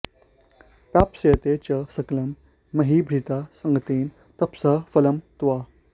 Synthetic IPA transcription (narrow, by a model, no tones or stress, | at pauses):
pjapsjɐt̪et͡ɕɐsɐklɐmː | ɐɦibʱɾit̪asəŋɡət̪iːn | t̪ɐpsɐfɐlɐmt̪ʋa